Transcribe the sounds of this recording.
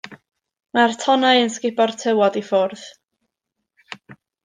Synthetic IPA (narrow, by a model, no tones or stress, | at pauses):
martʰɔnajənskɪbɔrtʰəwɔdifɔrð